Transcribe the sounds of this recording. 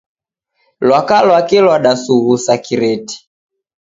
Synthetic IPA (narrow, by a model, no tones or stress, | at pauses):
lwakalwakilwaɗasuɣusakiɾɛti̥